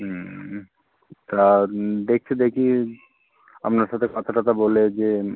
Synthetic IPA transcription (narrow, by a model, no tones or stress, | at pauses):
t̪ad̪ek̚t͡ɕʰid̪ekʰi | a̰mnaɾʃat̪ʰekɔt̪ʰaʈat̪aboled͡ʑe